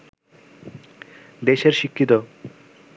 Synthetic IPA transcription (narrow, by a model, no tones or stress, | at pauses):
d̪eʃeɾʃikʰːit̪o